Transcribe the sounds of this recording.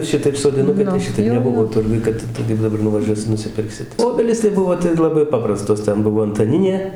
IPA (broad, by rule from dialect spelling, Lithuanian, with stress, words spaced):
ˈʃʲɪtɐɪp soːdʲɪˈnʊkɐɪ tɐɪ ˈʃʲɪtɐɪp nʲɛˈbʊʋoː ˈtʊrɡʊj ˈkɐt tɐɪ kɐɪp dɐˈbɐr nʊʋɐˈʒʲuɔsʲɪ nʊsʲɪˈpʲɪrksʲɪ ˈoːbʲɛlʲiːs tɐɪ ˈbʊʋoː tɐɪ lˠɐˈbɐɪ ˈpɑːprɐstoːs ˈtʲɛn ˈbʊʋoː ɐntɐˈnʲɪnʲeː